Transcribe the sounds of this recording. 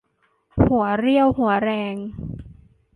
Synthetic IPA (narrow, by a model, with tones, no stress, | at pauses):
hu˩˦ɐɾi˥˩əwhu˩˦ɐɾɛː˧ŋ